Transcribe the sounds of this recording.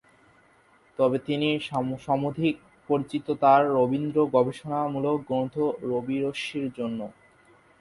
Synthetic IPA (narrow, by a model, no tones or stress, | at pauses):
t̪ɔbet̪iniʃʃamod̪ʱik̚ | poɾit͡ɕit̪ot̪aɾːobind̪ɾoɡɔbeʃonamulokɡɾond̪ʱoɾobiɾoʃiɾd͡ʑonːo